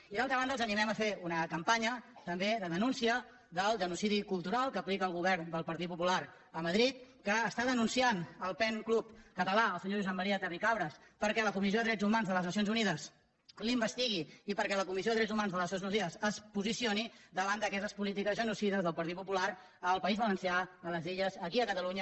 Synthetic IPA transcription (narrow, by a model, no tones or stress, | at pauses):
iðalˠt̪ɾəβand̪əlˠzənimɛməfeunəkəmpaɲət̪əmbeðəðənunsiə | ðəlˠʒənusiðikulˠt̪uɾalˠkəːplikəːlˠɣuβɛɾnd̪əlˠpəɾt̪it̪̚pupulaɾ | əməðɾit̪̚kəːst̪aðənunsianəlˠpɛŋklupkət̪əlaəlˠsəɲoʒuzɛmːəɾiət̪ərikaβɾəspəɾkɛləkumizjoðəðɾɛd͡zumanzðələznəs̬jonzuniðəs | limbəst̪iɣ̞iːpəɾkɛləkumizjoðəðɾɛd͡zumanzðələsonznusiðəzəspuzisioniðəβand̪əkɛst̪əspulit̪ikəzʒənusiðəzðəlˠpəɾt̪it̪̚pupulaɾ | əlˠpəizβələnsjaːləziʎəzəkiəkət̪əluɲə